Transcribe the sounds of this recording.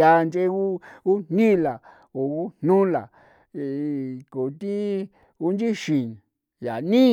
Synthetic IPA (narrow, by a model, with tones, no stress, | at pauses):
a˧nt͡ʃe˦u˦u˦nnĩ˦˨la˨ | o˨u˦n̥nũ˦la̰˨ | ko˨t̪ĩ˦ | u˦nd͡ʒĩ˦ʃĩ˨n | ja̰˨nĩ˦